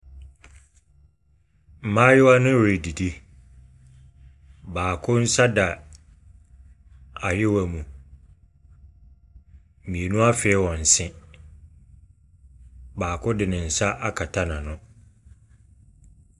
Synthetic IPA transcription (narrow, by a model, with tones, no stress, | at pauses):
m̩˨mãː˦jɪ˦wa˦nɪ̃˦wɾe˨di˨di˦ | baː˨kʰʊ˦n̩˦sa˦da˨ | a˨jɪ˦wæ˨mũ˨ | mĩ˨e˨nũ˦a˦fɛ˨˦wɔ̃˨n̩˨sɪ̃˦ | baː˨kʰʊ˦dɪ˨nɪ̃˨n̩˨sa˦ʔa˦kʰa˨tʰa˦nã˨nʊ̃˦